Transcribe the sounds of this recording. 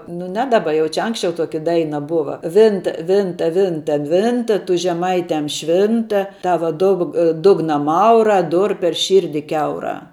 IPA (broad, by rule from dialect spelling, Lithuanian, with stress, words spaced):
nʊ ˈnʲɛ ˈdɑːˌbɐ ˈjɛʊ t͡ʃʲɛ ˈɐŋksʲt͡ʃʲɛʊ ˈtoːkʲɪ ˈdɐɪnɐ ˈbʊʋɐ ˈʋʲɪntɐ ˈʋʲɪntɐ ˈʋʲɪntɐ ˈʋʲɪntɐ tʊ ʒʲɛˈmɐɪtʲɛm ˈʃʲʋʲɪntɐ ˈtɑːʋɐ ˈdʊk ˈdʊɡnɐ ˈmɐʊrɑː ˈdʊr pʲɛr ˈʃʲiːrʲdʲɪ ˈkʲɛʊrɑː